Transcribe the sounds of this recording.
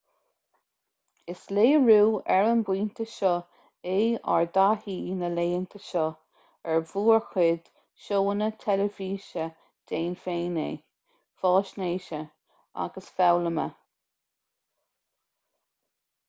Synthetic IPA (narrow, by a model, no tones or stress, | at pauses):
ɪsleːəɹuːɛɹənbwiːnt̪ʰəʃɔ | eːa̰ɹd̪ahiːnəleːənt̪ʰəʃɔ | ɛɹvuːɹxwɪd̪̥ | ʃoːənət̪ʰɛləviːʃə | d̪̥eːnfeːnḛː | fɔːʃneːʃə | a̰ɡəsfawləmə̰